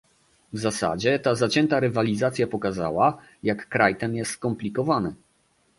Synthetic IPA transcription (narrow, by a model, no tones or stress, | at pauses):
vzasa̰d͡ʑɛt̪azat͡ɕɛnt̪aɾɘvalʲizat̪sʲjapɔkaza̰wa | jakːɾajt̪ɛmjɛst̪kɔmplʲikɔvanɘ